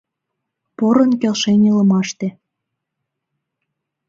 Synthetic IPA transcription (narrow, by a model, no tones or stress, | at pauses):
poɾə̆nkelʃenʲilə̆mɑʃt̪e